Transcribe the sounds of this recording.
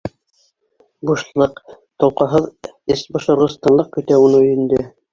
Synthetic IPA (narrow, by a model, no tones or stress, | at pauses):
buʃlˠɤq | t̪ŏlˠqɑɦɤðɘsbŏʃŏɾʁŏst̪ɑnlˠɤq̚kɵ̆t̪æunɤɵ̆jɘ̆nd̪ɵ